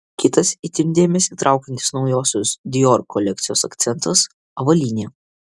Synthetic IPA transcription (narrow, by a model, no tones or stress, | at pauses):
kʲɪt̪ɐsit̪ʲɪmʲd̪ʲeːmʲɛsʲiːt̪ɾʔɑˑʊkʲɐnʲt̪ʲɪ̥snɒʊjoːsʲʊsd̪ʲɪjɔɾkʰːɔlʲɛk̚t̪sʲɪjoːsɐkt̪sʲɛnt̪ɐs | ɐʋɐlʲiːnʲeː